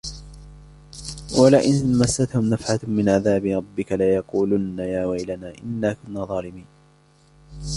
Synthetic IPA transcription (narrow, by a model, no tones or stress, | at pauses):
walaʔɪnmasːat̪hʊmnafʕamɪnʕaðaːbɪɾˤɑbːɪkalajɑquːlʊnːajaːwajlanaːʔɪnːaːkʊnːaːðˤɑːlɪmiːn